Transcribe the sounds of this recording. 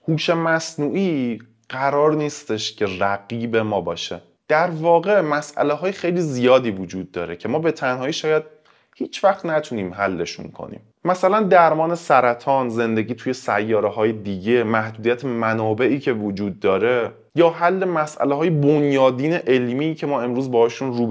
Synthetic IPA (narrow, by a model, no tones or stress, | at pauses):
huːʃe̞mæsnuːʔiː | ɢæɾɒːɾniːst̪e̞ʃcʰe̞ræɡiːbe̞mɒːbɒ̰ːʃḛ | d̪̥æɾvɒːɣe̞mæsʔæ̰leɦɒːjexe̞jliːzijɒːd̪iːvod͡ʒuːd̪̚ːɒːɾe̞cʰe̞mɒːbe̞t̪ʰænɦɒːiːʃɒːjæd̪̥̚ | hiːt͡ʃʰvæxt̪næt̪ʰuniːmɦælːe̞ʃṵnkʰo̞̰nḭːm | mæsælænd̪æɾmɒːne̞sæɾæt̪ʰɒːnze̞nd̪eɟiːt̪ʰuje̞sæjːɒːɾeɦɒːje̞d̪iɟe̞mæhd̪uːd̪ijæt̪ʰemænɒːbe̞ʔiːcʰe̞vod͡ʒuːd̪ːɒːɾe̞ | jɒːɦælːe̞mæsʔæ̰leɦɒːjebonjɒːd̪iːneʔe̞lmiːcʰemɒːe̞mɾuːzbɒːhɒːʃunruːb